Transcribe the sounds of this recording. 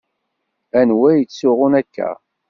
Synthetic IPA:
ænwæjət͡sːʊʁʊnækːæ̰

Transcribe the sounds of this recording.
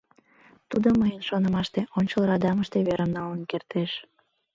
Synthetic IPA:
t̪ud̪oməjənʃonə̆mɑʃt̪eʔonʲt͡ɕəlɾɑd̪ɑməʃt̪eβeɾəmnɑlənkert̪eʃ

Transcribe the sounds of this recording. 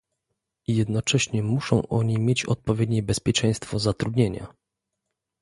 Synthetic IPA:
jɛd̪nɔt͡ʂɛɕɲɛmuʂɔ̰̃w̃ʔɔɲimʲjet͡ɕɔ̰t̪̚pɔvʲjed̪ɲɛbɛspʲjɛt͡ʂɛ̃j̃st̪fɔzat̪ɾud̪ɲeɲa̰

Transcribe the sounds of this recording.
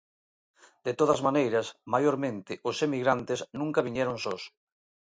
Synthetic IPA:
d̪et̪oðɐzmanejɾɐsmajoɾmẽnt̪ɪʔʊsemiɣɾant̪ɪsnũŋkɐβ̞iɲɛɾoŋsos

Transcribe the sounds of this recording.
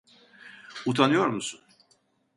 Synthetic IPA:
ut̪ʰanɯjo̞ɾmusun

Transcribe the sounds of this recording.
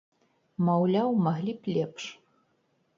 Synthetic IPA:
mɐwlʲawmɐɦlʲipʰlʲepʰʂ

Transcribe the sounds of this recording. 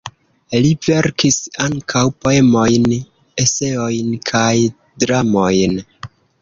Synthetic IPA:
live̞ɾkisaŋkʰawpo̞e̞mo̞jn | e̞se̞o̞jnkʰaj | dɾamo̞jn

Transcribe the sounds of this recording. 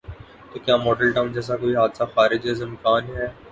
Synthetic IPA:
t̪oːkjaːmoːɖəlʈɐ̃ɪmd͡ʒɛːs̬akoːiɦaːd̪saxaːɾɪd͡ʒɦezɪ̃mkaːnɦɛː

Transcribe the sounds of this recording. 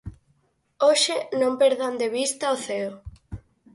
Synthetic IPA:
oʃenõmpeɾðand̪eβ̞ist̪aoθeo

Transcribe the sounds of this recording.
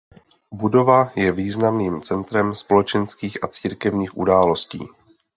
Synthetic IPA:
budo̞vajɛviːznamniːmt͡sɛnt̪ɾɛmspo̞lɛt͡ʃɛnskiːxʔat͡siːɾkɛvɲiːxʔṵdaːlo̞scḭː

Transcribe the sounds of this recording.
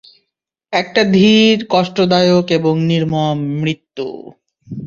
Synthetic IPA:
ɛk̚ʈad̪ʱiɾkɔʃʈod̪ajokeboŋniɾmɔmɾit̪ːṵ

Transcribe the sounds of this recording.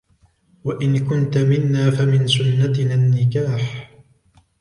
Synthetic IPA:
waʔɪnkʊnt̪amɪnːaːfamɪnsʊnːat̪naːnːɪkaːħ

